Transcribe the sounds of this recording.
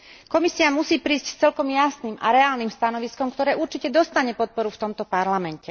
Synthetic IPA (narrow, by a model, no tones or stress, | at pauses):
kɔmisiamusiːpɾiːsct͡sɛlkɔmjasnimʔa̰ɾɛaːlnimst̪anɔʋiskɔmkt̪ɔɾɛːʔuɾt͡ʃicɛd̪ɔst̪aɲɛpɔt̪̚pɔɾuft̪ɔmt̪ɔpaɾlamɛncɛ